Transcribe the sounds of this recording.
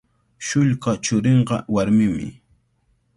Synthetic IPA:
ʃʊʎɢat͡ʃʊɾeɴɢɑ̰waɾmɪmɪ̰

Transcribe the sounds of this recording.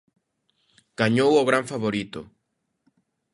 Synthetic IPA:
ɡ̥aɲowoɣɾãɱfaβoɾit̪o̰

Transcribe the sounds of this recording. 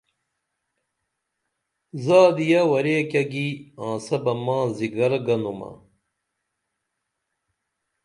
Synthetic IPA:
zaːd̪ijawɐɾeːkɐɡiãːsɐbɐmãːziɡɐɾɡɐnumɐ̰

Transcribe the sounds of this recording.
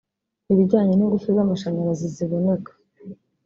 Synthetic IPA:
iβiɟaːɲeniɡufizamaʃaɲaɾaziziβo̞nekḁ

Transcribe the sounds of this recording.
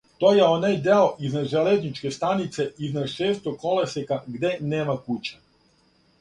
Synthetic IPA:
t̪o̞ːjeo̞najd̪eoʔiznad̪ʒeleznit͡ʃke̞st̪anit̪se̞iznad̪ʃeːst̪oko̞lesikaɡd̪e̞neːmakut͡ɕḁ

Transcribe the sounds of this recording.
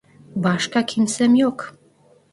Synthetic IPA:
bɑʃkɑkʰinsəmjok

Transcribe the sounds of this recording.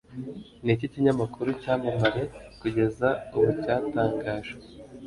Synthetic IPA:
niciciɲamakuɾucaːmaβaɾe̞kuɟe̞zauβucaːtaːŋɡaːʒe

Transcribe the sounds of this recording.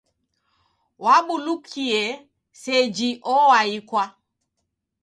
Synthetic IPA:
waɓulukʰiɛ | sɛd͡ʒiʔɔwaikwa

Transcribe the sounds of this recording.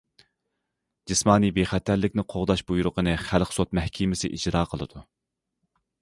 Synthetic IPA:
d͡ʒismɑːnibeχæt̪ʰæɾlɪkʲnɪqʰoʁd̪ɑʃbujuɾʊqənɨχælqsot̪̚mɛhkʲʰimɪsɪ̰ʔid͡ʒɾɑːqʰəlˠɨ̰d̪̥u

